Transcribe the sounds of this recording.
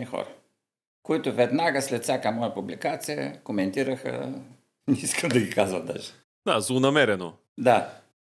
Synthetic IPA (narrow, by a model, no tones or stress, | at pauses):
ixɔ̰ɾɐ | koit̪ʊvɛd̪naɡəslɛt̪fsʲjakəmɔjəpublikat̪sijə̰komɛnt̪iɾəxə̰ | nɛiskəmd̪ɐɡikazvəd̪a̰ʒɛ̥ | d̪̥azˠʊnɐmɛɾɛno | d̪a